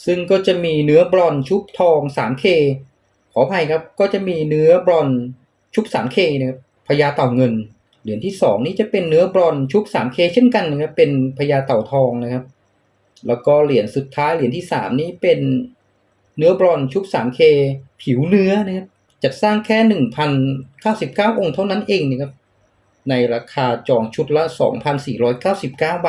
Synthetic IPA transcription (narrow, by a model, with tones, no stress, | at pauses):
sɯ˥˩ŋkɔː˥˩t͡ɕa˨˩miː˧nɯ˦˥ɐbɾɔ˧nt͡ɕʰu˦˥p̚t̪ʰɔː˧ŋsa̰ː˩˦mkʰeː˧ | kʰɔː˩˦pʰa˧jkʰa˦˥p̚kɔː˥˩t͡ɕa˨˩miː˧nɯ˦˥ɐbɾɔ˧n | t͡ɕʰu˦˥p̚saː˩˦mkʰeː˧na˧˩kʰa˦˥p̚ | pʰa˧jaː˧t̪a˨˩wŋɤ˧n | li˨˩˦ənt̪ʰiː˥˩sɔː˩˦ŋniː˦˥t͡ɕa˨˩pe˧nːɯ˦˥ɐbɾɔ˧nt͡ɕʰu˦˥p̚saː˩˦mkʰeː˧t͡ɕʰe˥˩nka˧nːa˧˥kʰa˦˥pːe˧npʰa˧jaː˧t̪a˨˩wt̪ʰɔː˧ŋna˦˥kʰa˦˥p̚ | lɛː˦˥wkɔː˥˩li˩˦ənsu˨˩t̪ʰːaː˦˥jli˨˩˦nt̪ʰiː˥˩sa̰ː˩˦mniː˦˥˩pe˧n | ɯ˦˥ɐbɾɔː˧nt͡ɕʰu˦˥k̚saː˩˦mkʰeː˧pʰi˩˦wnɯ˦˥ɐna˦˥kʰa˦˥p̚ | t͡ɕa˨˩t̪̚saː˥˩ŋkʰɛː˥˩nɯ˨˩ŋpʰa˧nkaː˥˩wsi˨˩p̚kaː˥˩wʔo˧ŋt̪ʰa˥˩wna˦˥nʔeː˧ŋna˧˩kʰa˦˥p̚ | na˧jɾaː˧kʰaː˧t͡ɕɔː˧˩ŋt͡ɕʰu˦˥t̪̚la˦˥sɔ̰ː˩˦ŋpʰa˧nsiː˨˩ɾɔː˦˥jkaː˥˩wsi˨˩p̚kaː˥˩wba˨˩